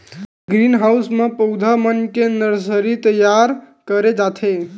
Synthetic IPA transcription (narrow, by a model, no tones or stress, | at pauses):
ɡɾinɦaʊsmẽpəʊd̪ʱamənkenəɾsəɾit̪əjːaɾ | kəɾed͡ʒat̪ʰe